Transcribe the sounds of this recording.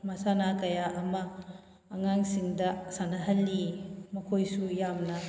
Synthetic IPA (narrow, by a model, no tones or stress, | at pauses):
masanakajaʔɐmaː | ŋaŋsiŋdɐsanɐɦɐlːimɐkʰojsujamnɐ